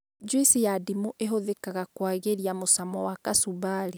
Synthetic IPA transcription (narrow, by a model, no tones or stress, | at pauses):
d͡ʒwisijadimuʔeɦoðekaɣakwaɣeɾijamosamɔwakasuβaɾi